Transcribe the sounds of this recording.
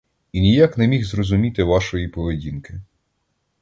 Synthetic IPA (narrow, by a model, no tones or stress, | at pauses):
inʲijaknɛmʲixzrɔzʊmʲit̪ɪʋɑʃɔjipɔʋedʲinkɪ